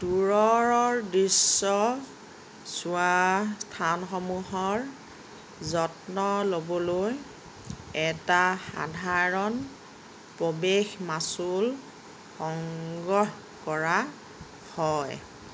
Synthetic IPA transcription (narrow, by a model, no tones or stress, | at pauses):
tuɹɔɹɔɹdɹisːɔ | suastʰanxɔmuɦɔɹ | zɔtnɔlobɔloj | ɛtaxa̰dʱaɹɔn | pɹobexmasul | xɔŋɡɔh | kɔɹa | hɔj